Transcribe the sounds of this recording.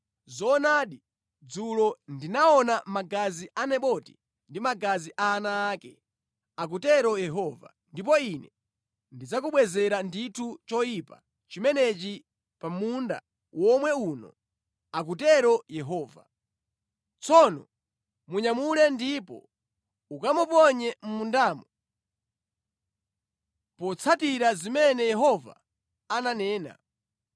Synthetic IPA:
zɔnaːɗi | d͡zulɔndinaɔnamaɡaziʔanɛɓɔti̥ | ndimaɡaziʔaːnaːkɛ | ak̬utɛɾɔjɛɦɔːva̰ | ndip̬ɔinɛ | ndid͡zakuɓwɛzɛɾanditʰut͡ʃɔjipa̰ | t͡ʃimɛnɛt͡ʃi | pamunda̰ | wɔmwɛunɔ̰ | ak̬utɛɾɔjɛɦɔːva̰ | t͡sʰɔnɔ̰ | muɲamulɛndipɔ̰ | ukamupɔɲɛm̩mundaːmu | pɔt͡sʰatiɾazimɛnɛjɛɦɔva̰ | ananɛːna̰

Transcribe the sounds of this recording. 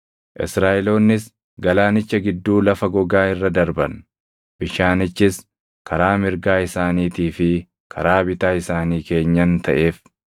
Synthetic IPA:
ʔɪ̰sɾaːʔɛlo̞ːnːɪs | ɡɐlaːnɪt͡ʃːɐɡɪd̪ːuːlɐfɐɡɔɡaːɪrːɐd̪ɐɾbɐn | b̥ɪʃaːnɪt͡ʃːɪs | kʰɐɾaːmɪɾɡaːɪsaːniːt̪iːfɪ | kʰɐɾaːbɪt̪aːɪsaːniːke̞ːɲːɐnt̪ʰɐʔe̞ːf

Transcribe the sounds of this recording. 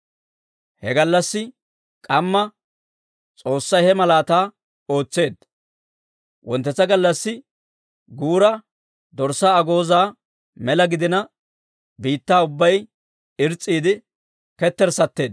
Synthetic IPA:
hɛɡɐlːɐsːɪ | kʼɐmːɐ | t͡sʼo̞ːsːɐjhɛmɐlaːt̪aː | o̞ːt͡sːe̞ːd̪ | wʔɔ̰nt̪ːɛt͡sːɐɡɐlːɐsːɪ | ɡuːɾɐ | d̪ɔɾsaːɡo̞ːzaː | mɛlɐɡɪd̪ɪnɐ | biːt̪ːaːʊbːɐj | ɪɾt͡sʼːiːd̪ɪ | kɛt̪ːɛɾsɐt̪ːe̞ːd̪

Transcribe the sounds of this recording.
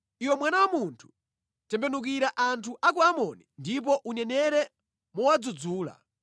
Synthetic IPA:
iwɔmwanawamuntʰu̥ | tɛmbɛnuk̬iɾaʔantʰuʔak̬uamɔnindip̬ɔʔunɛnɛɾɛ | muwad͡zud͡zuːla̰

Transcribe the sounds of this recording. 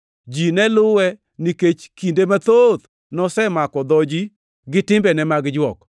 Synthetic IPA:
d͡ʒinɛlʊwɛ | niket͡ʃkindemat̪ot̪ | nɔsɛmakɔd̪ɔd͡ʒi | ɡɪtɪmbɛnɛmaɡd͡ʒwɔk

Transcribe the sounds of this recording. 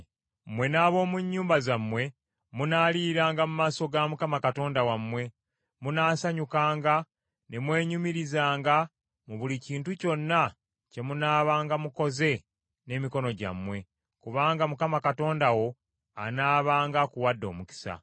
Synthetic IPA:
mwe̞naːβo̞ːmuɲːuːmbazamwe̞ | munaːliːɾaːŋɡamumaːso̞ɡamukamakato̞ːndawamwe̞ | munaːsaɲukaːŋɡa | ne̞mwe̞ːɲumiɾizaːŋɡa | muβuliciːntuco̞nːa | ce̞munaːβaːŋɡamuko̞ze̞ | ne̞miko̞no̞ɟa̰mːwe̞ | kuβaːŋɡamukamakato̞ːndawo̞ | a̰naːβaːŋɡakuwadːo̞̰ːmuci̥sa̰

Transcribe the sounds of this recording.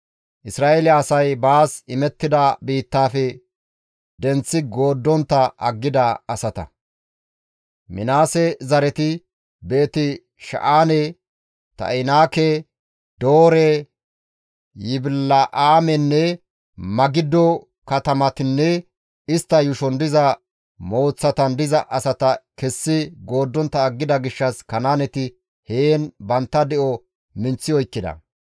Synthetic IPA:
ʔɪsɾaːʔɛlɛːsɐjbaːsɪmɛt̪ːɪd̪ɐbiːt̪ːaːfɛ | d̪ɛnt͡sːɪɡo̞ːd̪ːɔnt̪ːɐʔɐɡːɪd̪ɐɐsɐt̪ɐ̰ | mɪnaːsɛzɐɾɛt̪ɪ | be̞ːt̪ɪ | ʃɐ̰ʔaːnɛ | t̪ɐ̰ɪnaːkɛ | d̪̥oːɾɛ | jɪbɪlːɐʔaːmɛnːɛ | mɐɡɪd̪ːɔ | kɐt̪ɐmɐt̪ɪnːɛ | ɪst̪ːɐjʊʃɔnd̪ɪzɐ | mo̞ːt͡sːɐt̪ɐnd̪ɪzɐʔɐsɐt̪ɐkɛsːɪɡo̞ːd̪ːɔnt̪ːɐːɡːɪd̪ɐɡɪʃːɐskɐnaːnɛt̪ɪ | heːnbɐnt̪ːɐd̪ɛʔɔ | mɪnt͡sːɪjɔjkːɪd̪ɐ̰

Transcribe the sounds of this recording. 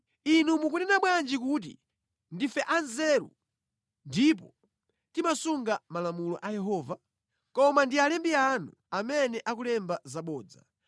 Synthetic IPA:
inumukunɛnaɓwand͡ʒik̬ut̬ḭ | ndifɛʔanzɛɾṵ | ndip̬ɔ | timasuŋɡamalamulɔʔajɛɦɔːva | kɔmandialɛmbianu | amɛnɛʔak̬ulɛmbazaɓɔːd͡za̰

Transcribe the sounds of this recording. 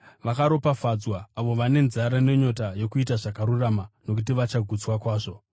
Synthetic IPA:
ʋakaɾo̞pafad͡zwaːʋo̞ʋane̞nzaɾane̞ɲo̞tajo̞kuitaʐakaɾuramano̞k̬ut̬iʋat͡ʃaɡʱut͡swakwaːʐo̞

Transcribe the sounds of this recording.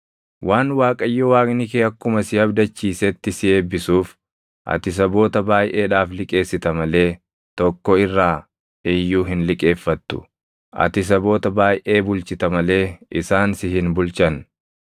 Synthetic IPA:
wʔaːnwaːkʼɐjːɔwaːɡnɪkeːɐkːʊmɐsɪɐbd̪ɐt͡ʃːiːset̪ːɪsɪeːbːɪsuːf | ʔɐ̰t̪ɪs̬ɐbo̞ːt̪ɐbaːjʔe̞ːᶑaːflɪkʼe̞ːsːɪt̪ɐmɐle̞ː | t̪ɔkːɔɪrːaː | ɪjːuːɦɪnlɪkʼe̞ːfːɐt̪ːʊ̥̰ | ʔɐ̰t̪ɪs̬ɐbo̞ːt̪ɐbaːjʔeːbʊlt͡ʃɪt̪ɐmɐle̞ːʔɪsaːnsɪhɪnbʊlt͡ʃɐn

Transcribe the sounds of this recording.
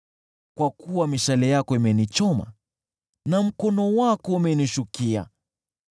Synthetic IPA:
kwakuwamiʃalɛjakɔimɛnit͡ʃɔma̰ | nam̩kɔnɔwakɔumɛniʃukia̰

